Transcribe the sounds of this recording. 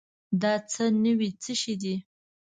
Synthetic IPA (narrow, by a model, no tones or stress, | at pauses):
d̪ɑt͡sənəwit͡səʃid̪i